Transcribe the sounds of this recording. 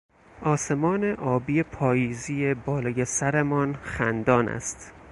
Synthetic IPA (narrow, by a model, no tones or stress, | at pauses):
ʔɒːse̞mɒːneʔɒːbijepʰɒːjiːziːebɒːlɒːjesæɾemɒnxæ̰nd̪ɒːnæ̰st̪